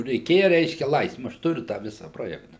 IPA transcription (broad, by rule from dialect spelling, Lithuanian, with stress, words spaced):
rʲɛɪˈkʲeːjɛ ˈrʲɛɪʃʲkʲɛ ˈlˠɐɪsʲtʲɪmʊɪ ˈɐʃ ˈtʊrʲʊ tɑː ˈʋʲɪsɐ ˈproːjɛktɐ